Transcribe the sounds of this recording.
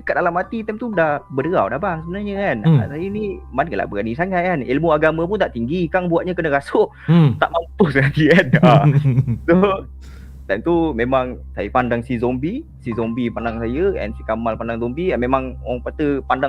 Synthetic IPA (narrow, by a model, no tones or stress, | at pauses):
kat̪̚dalamat̪it̪ɛmt̪udahbədəɾa̰wdabaŋsəbənaɲəkansajənimankəla̰ʔbəɡanisaŋaʔkanilmuaɡamãp̬unt̪aʔt̪iŋɡikaŋbuat̪̚ɲakənə̃kasʊʔ | t̪a̰ʔmamp̪ʊhsəŋat̪ikanaso | t̪ɛmt̪umẽmãŋsajəpandaŋsizombi | sizɔmbipandaŋsajəɛ̰nsikamalpandaŋzɔmbiɛnmemãŋaŋpat̪əpanda